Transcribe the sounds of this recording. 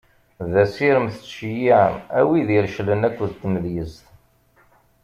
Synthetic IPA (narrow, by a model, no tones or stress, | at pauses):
ðæsiɾəmθə̥t͡sːjiæ̰wiðiɾʃlənækʷːðt̪ːməðjəzt̪